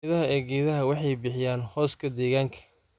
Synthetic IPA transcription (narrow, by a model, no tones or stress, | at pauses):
ðɐɦɐɛːɡɛːðɐɦɐwɑħɑjbɪħɪjaːnhɔːskʰɐd̪ɛːɣaːŋkʰɐ̥